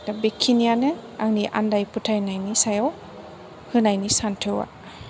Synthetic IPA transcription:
tabekʰːinijanɛaŋniʔa̰ndajpʰutʰajnajnisajaw | hɯnajnisantʰɯwa̰

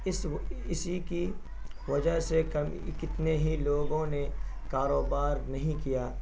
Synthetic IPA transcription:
ɪsɪsiki | ʋɐd͡ʒəɦsekɐm | kɪt̪neɦiloːɡõne | kaːɾoːbaːɾnɐɦĩkijaː

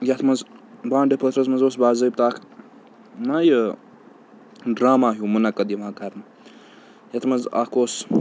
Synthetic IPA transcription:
jɐt̪ʰmɐzbãːɖepʰət̪ɾɐsmɐnzoːsbaːzəjp̚t̪aːkʰ | najə | ɖɾaːmaːɦjumunakɐd̪iʋãːkaɾn | jɐt̪ʰmɐnza̰koːs

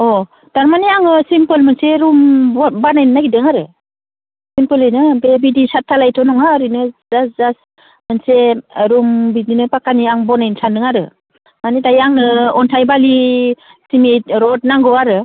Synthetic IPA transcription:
ɔ | d̥aɾmaniaŋɯsimpɯlmɯnseɾumbanajnnaɡidɯŋaɾɯ | simpɯlɯjnɯbebidisatʰːalajtʰɔnɔŋaɾinɯzaszas | mɯnseɾumbidinɯpakaniaŋbɔnajnsanɯŋaɾɯ | manitajaŋnɯɔntʰajbali | simit̚ɾɔt̚naŋɡɯwaɾɯ

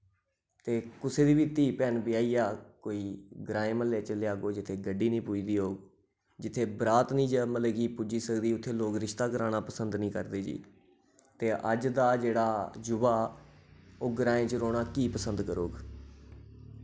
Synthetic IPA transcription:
t̪eːkʊseːd̪iːʋiːt̪iːpɛːnbɪaːiːjaːkoːiːɡɾaːẽːməlːeːt͡ʃəlejaːɡoːd͡ʒɪt̪ʰeːɡəɖiːnĩːpuid̪iːɦoːɡ | d͡ʒɪt̪ʰːeːbɾaːt̪nĩːd͡ʒəməlekiːpud͡ʒiːsəkd̪iːʊt̪ʰːeːloːkɾɪʃt̪aːkəɾaːɽaːpəsənd̪nĩːkəɾd̪eːd͡ʒḭː | t̪eːʔəd͡ʒd̪aːd͡ʒeːɽaːd͡ʒʊbaː | oːɡɾaːẽːt͡ʃɾoːɽaːkiːpəsənd̪kəɾo̰ːɡ

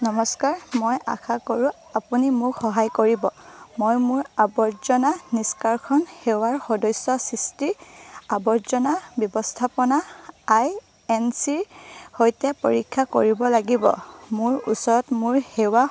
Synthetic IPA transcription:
nɔmɔskaɹmojʔa̰kʰakoɹʊ̃ | apunimʊkxɔɦajkoɹibɔmojmʊɹabɔɹzɔnaniskaɹkʰɔnhewaɹxɔdɔjsːɔsistiɹabɔɹzɔnabjɔbɔstʰapɔnaaj | ɛnsiɹhojtɛpo̰ɹikʰːako̰ɹibɔlaɡibɔ̰mʊɹṵsɔɹɔtmʊɹhewa

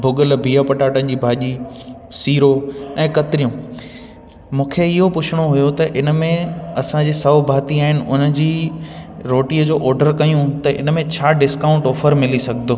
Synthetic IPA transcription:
bʱʊɠəlbʱiːapɐʈaːʈənɪ̆d͡ʑiːbʱaːʄisiːɾoɛ̃ːkɐt̪ɪɾijũː | mũːkʰeɪɦopʊt͡ɕʰɪɽ̃oɦʊjot̪ɐʔɪnəmẽɐsãd͡ʑiːsɐʋbʱaːt̪iaːɦɪnɪ̆ʔʊnəd͡ʑiː | ɾoːʈiːəd͡ʑoːʔɔːɾɖəɾkɐijũt̪ɐʔɪ̰nəmẽt͡ɕʰaːɖɪskaːʊ̃ɳʈɔːfəɾmɪlisɐɡʱd̪oː

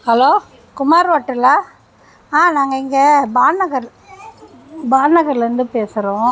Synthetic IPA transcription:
hɐloː | kʊmaːɾʋɐːʈːɯlaː | ãːnaːŋɡɐɪŋɡɐbaːnːɐɡɐɾ | baːnɐɣɐɾlɾɯnd̪ɯpeːsɪɾõː

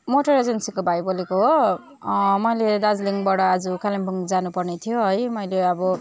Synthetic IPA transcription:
moʈʌɾed͡zensikobʱajbolekoɦo | mʌjled̪ad͡zliŋbaɽʌːd͡zukalimbʱuŋd͡zanupʌrnet̪ʰijoɦʌjmʌjleʌbʌ

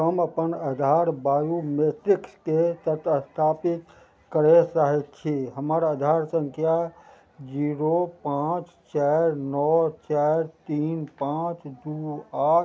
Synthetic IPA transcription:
ɦəməpənəd̪ʱaɾbaːjumeʈɾiksket̪ət̪əst̪ʰapit̪ | kəɾɛsaɦɛt̚t͡ʃʰiɦəməɾəd̪ʱaɾsə̃ŋkʰja | d͡ʒiɾopãːt͡ʃ | t͡ʃɛɾnɔt͡ʃɛɾt̪iːnpãt͡ʃd̪ua

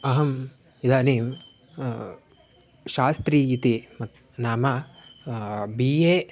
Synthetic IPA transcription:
ɐɦɐm | id̪aːniːm | ʃaːst̪ɾiːit̪imɐt̪ | naːma | biːeː

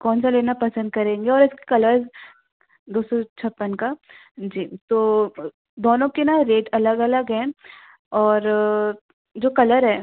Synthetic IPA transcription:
kɔːnsaleːnapɐsə̃nd̪̚kɐɾẽːŋɡeɔːɾɪski̥kɐləɾs | d̪oːsɔt͡ʃʰɐpːənka | d͡ʒiːt̪oː | d̪oːnõkenaɾeːʈɐləɡɐləɡɦɛ̃ː | ɔːɾ | d͡ʒoːkɐləɾɦɛː

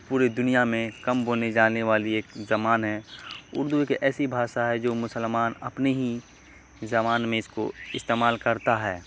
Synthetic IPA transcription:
puːɾed̪ʊnijamẽkɐmɦoːned͡ʒaːneʋaːlieːkzɐmaːnɦɛːʊ̰ɾd̪uekʔɛːsibʱaːʃaɦɛd͡ʒoːmʊsəlmaːnɐpneɦi | zɐmaːnmẽɪsko̰ɪst̪eːmaːlkɐɾt̪aɦɛː

